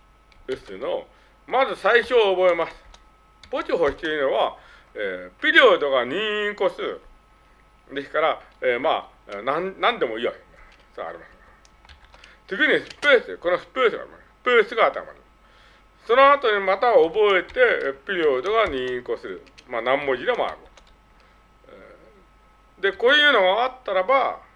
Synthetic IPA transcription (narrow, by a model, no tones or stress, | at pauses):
ɯsɨno̞ | mazɨsaiɕo̞ːbo̞e̞masɨ̥ | po̞t͡ɕiɦo̞ɕi̥t̪eɯnoβa | eːpʲiɾʲoːd̪o̞ɡaɲ̟ĩɰĩko̞sɨɯ | d̪e̞sɨ̥kaɾaeːma̰ː | nãnnãnd̪e̞mo̞ijo̰i | so̰a̰ɾʲḭmase | t̪eɡɯ̟ɲ̟isɨ̥peːsɨko̞nosɨ̥pesɨɡa̰ɾḭmasesɨ̥peːsɨɡaːt̪ːa̰ma̰ni | so̞no̞at̪o̞ɲ̟imat̪aobo̞e̞t̪e̞pʲiɾʲioːd̪o̞ɡaɲ̟ĩĩko̞sɨɾɯ̟manãmːo̞d͡ʑid̪e̞moa̰ɾɯo | d̪e̞ko̞ːjɯ̟ːno̞ɡaat̪ːaɾaba